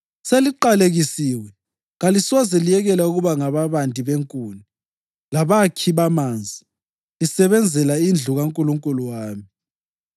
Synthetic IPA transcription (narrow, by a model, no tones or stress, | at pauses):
seliǃaleɣisiːwɛ | ɣalisɔzɛlijɛɣɛlauɣuβaŋaβaβandʱʼiβeŋkʼuːni | laβakʰiβamaːnd͡zʱi | lisɛβɛnd͡zʱɛlaind͡ɮʱuɣaŋkʼuluŋkʼuluwaːmi